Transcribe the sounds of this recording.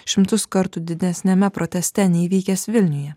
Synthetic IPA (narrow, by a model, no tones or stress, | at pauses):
ʃʲɪmt̪ʊskɐɾt̪ʊd̪ʲɪd̪ʲɛsʲnʲɛmʲɛpɾɔt̪ʲɛsʲt̪ʲɛnʲɛiʋʲiːkʲɛsʋʲɪlʲnʲʊjɛ